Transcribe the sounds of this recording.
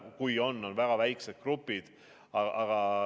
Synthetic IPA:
kujo̞nːo̞nvæɡ̥ɑvæjkset̪̚krupːˑid̪̥ | ɑɑɡ̥ɑ

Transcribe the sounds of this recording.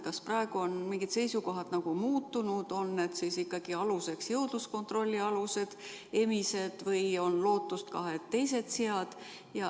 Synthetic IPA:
kɑsprɑe̞ɡ̥uonmiŋɡ̥id̪̥se̞jsuko̞ɦɑd̪nɑɡ̥umuːt̪ːˑunud̪̥o̞nːe̞d̪sisikːɑɡ̥iɑluse̞ksjɤwd̪̥lusko̞nt̪ro̞lʲːiɑluse̞d̪̥ | e̞mise̞d̪̥vɤjo̞nlo̞ːt̪ːˑust̪kɑɦet̪ːe̞jse̞d̪̥seɑd̪̥ | jɑ

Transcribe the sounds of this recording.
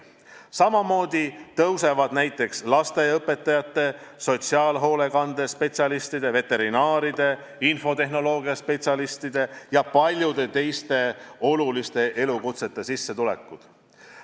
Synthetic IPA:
sɑmɑmo̞ːd̪̥ʲit̪ɤwse̞vɑd̪̥næjt̪ːˑe̞kslɑst̪e̞ɤpːe̞t̪ːˑɑjɑt̪ːˑe̞so̞t̪siɑːlɦo̞ːle̞kɑnd̪̥espe̞t̪ʲsʲjɑlist̪id̪̥e̞ve̞t̪ːe̞ɾinɑːɾid̪̥e̞ | info̞t̪e̞ɦno̞lo̞ːɡijɑspe̞t̪sʲɑlist̪id̪̥e̞jɑpɑlʲjud̪e̞t̪e̞jst̪e̞o̞lulist̪e̞ʔe̞lukut̪se̞t̪ːˑe̞sisːe̞t̪ule̞̰kːˑud̪̥

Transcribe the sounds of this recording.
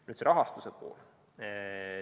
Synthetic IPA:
nyːt̪seɾɑɦɑst̪usepo̞̰ːl

